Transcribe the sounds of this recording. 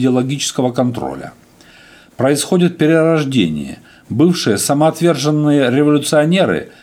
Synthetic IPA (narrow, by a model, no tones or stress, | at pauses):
dʲɪɐlˠɐɡʲit͡ɕɪ̥skəvəkɐnt̪ɾo̰lʲə̰ | pɾəɪsxo̞dʲɪt̪̚pʲɪɾʲɪɾɐʐdʲḛnʲɪ̰jə̰ | bɨfʂɨjəsəmɐɐt̪vʲe̞rʐɨnːɨjəɾʲɪvɐlʲʊt̪sɨɐnʲe̞ɾɨ̰